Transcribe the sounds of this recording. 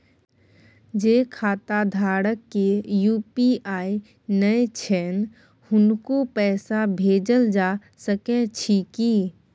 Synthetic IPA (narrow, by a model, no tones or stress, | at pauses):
d͡ʒekʰaːt̪ad̪ʱaːɽəkːejuːpiaːi | nəet͡ʃʰɛn | hʊnkopɛːsabʱeːd͡ʒəld͡ʒa | səkɛt͡ʃʰiki